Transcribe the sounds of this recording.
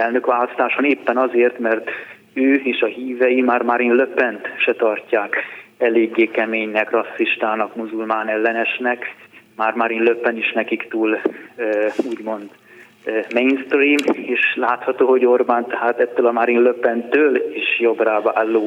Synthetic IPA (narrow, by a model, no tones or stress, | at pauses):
ɛlnøkʋaːlɒst̪aːʃoneːpːɛnɒzeːrt̪mɛrt̪ | øːeːʃɒɦiːvɛjimaːrmaɾinløpːɛnt̪ʃɛt̪ɒrcaːkɛleːɡːeːkɛmeːɲnɛkrɒsːiʃt̪aːnɒkmuzulmaːnɛlːɛnɛʃnɛkmaːrmaɾinløpːɛniʃnɛkikt̪uːlː | uːɟmo̞nd̪ | mejnst̪riːmeːʃlaːt̪hɒt̪oːho̞ɟo̞rbaːnt̪ɛɦaːt̪ɛt̪ːøːlɒmaɾinløpɛnt̪øːliʃjo̞braːvaːlːoː